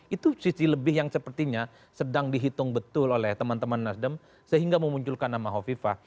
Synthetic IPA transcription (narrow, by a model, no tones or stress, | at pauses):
it̪usisiləbɪhjaŋsəpərt̪iɲa | sədaŋdiɦit̪ʊŋbət̪ʊlolɛht̪əmant̪əmanːasdəm | səɦiŋɡaməmuɲt͡ʃʊlkanːamaɦofifa